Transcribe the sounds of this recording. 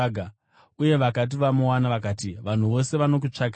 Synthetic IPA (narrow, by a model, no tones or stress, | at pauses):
ɡʱa | uje̞ʋakat̬iʋamuwanaʋakaːtiʋan̤uʋo̞se̞ʋano̞k̬ut͡ʂak